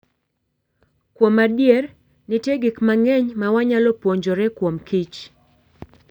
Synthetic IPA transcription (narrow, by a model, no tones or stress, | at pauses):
kwomadjɛr | nɪteɡɪkmaŋɛɲmawaɲalɔpwoɲd͡ʒɔɾɛkwomkit͡ʃ